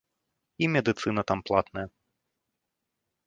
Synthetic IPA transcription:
imʲɛd̪ɨt̪sɨnɐt̪amplˠat̪nɐjɐ

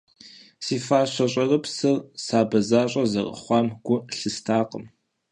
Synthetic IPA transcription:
siːfaːɕʷɐɕʼɐrɨpsɨrsaːbɐzaːɕʼɐzɐ̰ʁə̰χʷɑːmɡ̥ʷʊɬɨstʰaːqʼəm

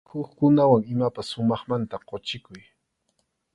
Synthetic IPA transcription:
hʊχkʊnawaŋɪmapasːʊmɑχmant̪aqot͡ʃɪkʊj

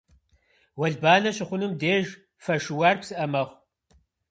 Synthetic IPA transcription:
wɐɮbaːnɐɕɪχʷʊnɨmdeːʒ | fɐʂɨwaːrpsɨʔɐmɐχʷ

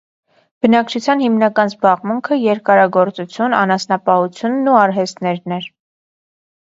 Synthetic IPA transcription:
b̥ənɑk̚t͡ʃʰut͡sʰjɑnhimnɑkɑnzbɑʁmuŋkʰəjɛɾkɑɾɑɡɔɾt͡sut͡sʰjunɑ̰nɑsnɑpɑhut͡sʰjunːuɑɾɦɛst̪nɛɾnɛɾ

